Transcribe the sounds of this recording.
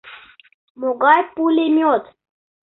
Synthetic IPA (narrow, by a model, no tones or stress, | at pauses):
moɡajpulemjot̪